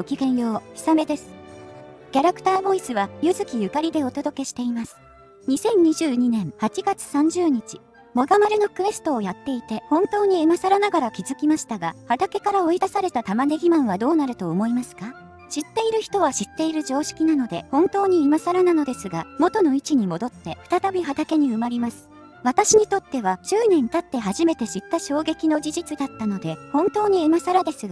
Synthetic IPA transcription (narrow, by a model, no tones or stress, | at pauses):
okʲiɡẽ̞ɰ̃jo̞ːçi̥same̞d̪e̞sɨ̥ | kʲaɾakɯ̥t̪aːbo̞isɨβajɯzɨkʲijɯ̟kaɾʲid̪e̞o̞t̪o̞d̪o̞ke̞ɕi̥t̪e̞imasɨ̥ | ɲ̟isẽ̞ɲ̟ɲːiʑɨːɲ̟inẽ̞ɰ̃hat͡ɕiɡat͡sɨ̥sãɲ̟d͡ʑɨːɲ̟it͡ɕi | mo̞ɡamaɾʲino̞kɯ̟e̞sɨ̥t̪oːjat̪ːe̞it̪e̞hõ̞nt̪o̞ːɲ̟iemasaɾanaɡaɾakʲizɨkʲimaɕi̥t̪aɡahat̪ake̞kaɾao̞id̪asaɾe̞t̪at̪amaneɡʲimãɰ̃βad̪o̞ːnaɾɯ̟t̪o̞ːmo̞imasɨ̥ka | ɕit̪ːe̞iɾɯ̟çi̥t̪o̞β̞aɕit̪ːe̞iɾɯ̟ʑo̞ːɕi̥kʲinano̞d̪e̞hõ̞nt̪o̞ːɲ̟iɯ̟masaɾanano̞d̪e̞sɨɡamo̞t̪o̞no̞it͡ɕiɲ̟imo̞d̪o̞t̪ːe̞ɸɯ̥t̪at̪abʲiɦat̪ake̞ɲ̟iɯ̟maɾʲimasɨ̥ | βat̪aɕiɲ̟it̪o̞t̪ːe̞βat͡ɕɨːnẽ̞nt̪at̪ːe̞ɦaʑime̞t̪e̞ɕit̪ːaɕo̞ːɡe̞kʲino̞d͡ʑiʑit͡sɨd̪at̪ːano̞d̪e̞hõ̞nt̪o̞ːɲ̟iɯ̟masaɾad̪e̞sɨɡa